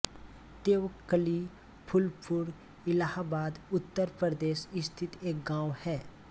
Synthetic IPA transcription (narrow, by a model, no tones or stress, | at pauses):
t̪eːʋəkəli | pʰʊlpʰʊɾ | ɪlaɦabaːd̪ʊt̪ːəɾpɾəɾd̪eːʃɪst̪ʰɪt̪eːk̚ɡãːwhɛː